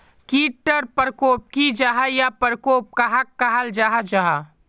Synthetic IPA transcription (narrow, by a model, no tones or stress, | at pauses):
kiːʈːəɾpəɾkoːp̚kid͡ʒaɦajapəɾkoːp̚kaɦakːaɦəld͡ʒaɦad͡ʒaɦa